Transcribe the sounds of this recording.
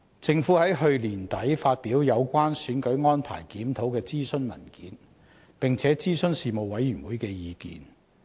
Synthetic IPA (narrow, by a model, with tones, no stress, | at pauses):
t͡sɪ˨˧ŋfuː˨˥hɐ˨˥jɦɵ˧ɥliː˨˩nt̪ɐ˨˥jfaː˧t̚piː˨˥wjɐ˨˧wkʷaː˥nsyː˨˥nkɵ˨˥ɥŋɔː˥npʰa̰ː˨˩jkiː˨˥mt̪ʰo˨˥wkɛː˧t͡siː˥sɵ˥nmɐ̰˨˩nkiː˨˥n | pɪ˨ŋt͡sʰɛː˨˥t͡siː˥sɵ˥nsiː˨mo˨˧wwɐ˨˥jːyː˨˩nwuː˨˥jkɛː˧jiː˨˧kḭː˨˩n